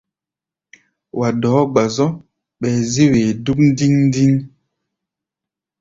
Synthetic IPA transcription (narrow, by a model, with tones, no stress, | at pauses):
wʔa˨dɔː˨˦ɡ͡ba˨zɔ˦ | ɓɛː˨ze˦weː˨du˦k̚n̩˦di˦ŋn̩˦di˦ŋ